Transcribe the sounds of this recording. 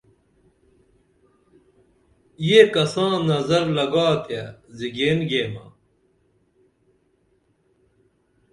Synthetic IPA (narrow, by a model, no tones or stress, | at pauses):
jeːkɐsãːnɐzɐɾlɐɡaːt̪ʰjaziɡeːnɡeːma̰ː